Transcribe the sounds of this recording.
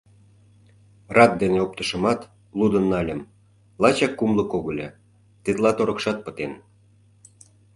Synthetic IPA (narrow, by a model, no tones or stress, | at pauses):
rɑt̪̚d̪eneop̚t̪ə̆ʃə̆mɑt̪ | lˠud̪ənːɑlʲəm | lɑt͡ɕɑkːumlə̆koɣə̆lʲe | t̪et̪lɑt̪oɾə̆kʃɑt̪̚pə̥̆t̪en